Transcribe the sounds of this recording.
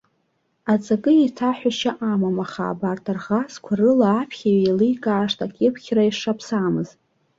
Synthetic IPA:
at͡sʼaɡʼɨitʰaħʷᶣaʃaʔamamaχa̰ːbartʰarʁaskʷʰarɨlaːpʰχʲaɥejlɨjkʼaːʂtʰakʲʼɪpʰχʲraiʂapʰsamɨz

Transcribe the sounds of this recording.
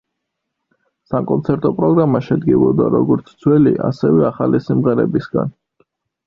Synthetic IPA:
sakʼɔnt̪sʰɛɾt̪ʼɔpʼɾɔɡɾamaʃɛd̪ɡivɔd̪aɾɔɡɔɾt̪sʰd̪zʰwɛliʔasɛvɛaχalisimʁɛɾɛbisɡa̰n

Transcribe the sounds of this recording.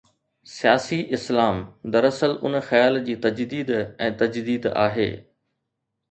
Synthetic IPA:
sijaːsiʔɪslaːmd̪ɐɾɐsəlʊnxɐjaːld͡ʑiːt̪ɐd͡ʑd̪iːd̪ɛ̃ːt̪ɐd͡ʑd̪iːd̪a̰ːɦḛː

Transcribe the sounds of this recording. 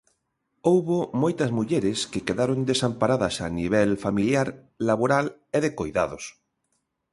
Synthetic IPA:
owβomojt̪azmuʎeɾeskekeðaɾond̪esampaɾaðasa̰niβ̞elfamiljaɾ | laβ̞oɾaleðekojðaðos

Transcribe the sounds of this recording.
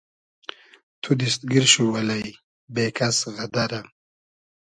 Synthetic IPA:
t̪ʰud̪ist̪̚ɡiɾʃuwɐlɐj | beːkʰasɣɐd̪aɾa

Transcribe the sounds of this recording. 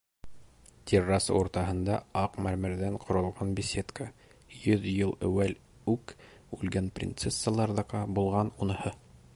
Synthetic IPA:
t̪ʲirːɑsuɾt̪ɑhɤ̆nd̪ɑɑqmæɾmɘ̆ɾðæɴqʰŏɾɤ̆lˠʁɑnbʲisʲet̪ka | jɵðjɤlˠæ̰wæl | ʉk | ʉlɡænprʲɪ̰nt̪sesːəlˠɑɾðɑqɑbulˠʁɑnunɤ̆hɤ

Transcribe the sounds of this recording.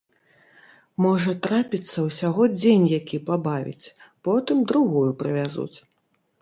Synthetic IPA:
mɔʐɐt̪ɾapʲit̪sːɐwsʲaɣɔd͡zʲenʲjakʲipabavʲḭt͡sʲpɔt̪ɨmd̪ɾuɣujupɾɨvʲazṵt͡sʲ

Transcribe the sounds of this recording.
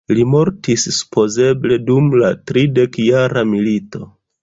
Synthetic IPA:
limo̞ɾtissu̥pʰo̞ze̞ble̞dumlatɾide̞kjaɾamilito̞

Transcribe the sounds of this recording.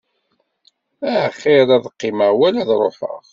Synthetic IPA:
æʕχːɪɾˤæðqːɪməʁwælæðɾˤoħə̰ʁ

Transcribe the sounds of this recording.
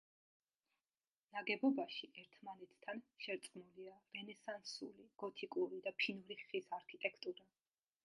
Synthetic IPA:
naɡɛbɔbaʃiʔɛɾt̪ʰmanɛt̪ʰːanʃɛɾt̪sʼqmuliavɛnɛsansuliɡ̥ɔt̪ʰikʼuɾid̪apʰinuɾiχisaɾkʰit̪ʼɛkʰt̪ʼuɾa

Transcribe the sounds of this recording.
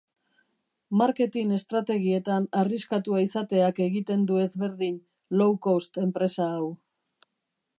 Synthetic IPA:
maɾke̞t̪ine̞st̪ɾat̪e̞ɣ̞ie̞t̪anariskat̪uaisat̪e̞ake̞ɣit̪e̞nd̪ue̞zβe̞ɾðin | lowkost̪e̞mpɾe̞saːw

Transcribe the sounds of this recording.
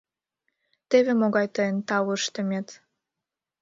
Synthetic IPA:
t̪eβemoɣɑjt̪ɤjənt̪ɑwəʃt̪əmʲet̪

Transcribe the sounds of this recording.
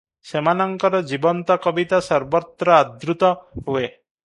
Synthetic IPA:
semanɔŋkɔɾɔd͡ʒibɔnt̪ɔkɔbit̪asɔɾbɔt̪ɾɔad̪ɾut̪ɔɦue

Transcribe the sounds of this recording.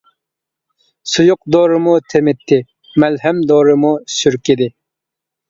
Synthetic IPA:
sujʊq̚d̪oːɾɨmut̪ʰemɪt̪ʰːɪ | mælɦɛmd̪oɾɨmusyɾkʲid̪ɪ

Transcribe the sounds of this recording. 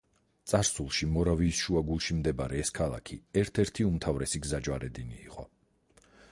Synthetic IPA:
t̪sʼaɾsulˠʃimɔɾaviːsʃuaɡulˠʃimd̪ɛbaɾɛːskʰalˠa̰kʰiɛɾt̪ʰɛɾt̪ʰiumt̪ʰavɾɛsiɡzad͡ʒwaɾɛd̪inḭːqʼɔ

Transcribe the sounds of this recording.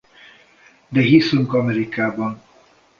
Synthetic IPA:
d̪ɛɦisyŋkɒmɛɾikaːbɒn

